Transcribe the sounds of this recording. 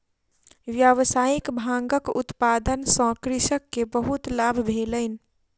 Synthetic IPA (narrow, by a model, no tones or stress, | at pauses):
ʋjəʋəsaikbʱãŋɡəkṵt̪pad̪ənsə̃kɾiʃəkːebəɦut̪labʱbʱelən̆